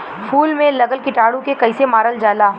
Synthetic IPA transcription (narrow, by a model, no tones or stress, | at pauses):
fʰuːlmẽlɐɡəlkɪʈaːɽũkekɐɪsemaːɾəld͡ʒaːlaː